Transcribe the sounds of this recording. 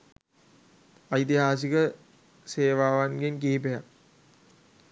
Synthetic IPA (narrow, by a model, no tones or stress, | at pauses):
ajt̪iɦaːs̬ikə | seːʋaːʋanɡenkiːpejak